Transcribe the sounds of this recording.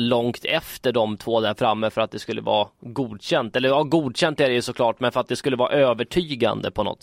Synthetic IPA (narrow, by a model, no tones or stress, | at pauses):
lɔŋkt̪ʰɛft̪əɖɔmt̪ʰvoːd̪æɾfɾamːəfœɾat̪̚d̪ɛskɵlːə̰vɑ̰ːɡuːd̪ɕɛnt̪ɛlːəɾvɑːɡuːd̪ɕɛnt̪æɖɛjɵsɔklɑːʈmɛnfœɾat̪̚d̪ɛskɵlːəvɑːʔøːvəʈʰyːɡa̰nd̪ə̰pʰɔnɔ̰t̪